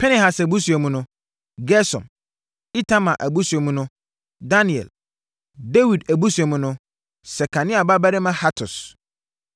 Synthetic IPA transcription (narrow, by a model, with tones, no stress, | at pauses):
pʰɛ˦nɛ˨ha˨sæ˨bu˦su˨ɛ˨mũ˨nʊ̃˦ | ɡɛ˦sɔ̰̃˨n | i˦tʰã˦mã˨ʔæ˨bu˦su˨ɛ˨mũ˦nʊ̃˦ | da˦ni˨ɛ̰˨l | de˦wi˨dæ˨bu˦su˨ɛ˨mũ˦nʊ̃˦ | sɛ˨kʰã˨nɪ̃˦a˨ba˦bæ˦ɾɪ˦mã˦ha˦tʰʊ˨s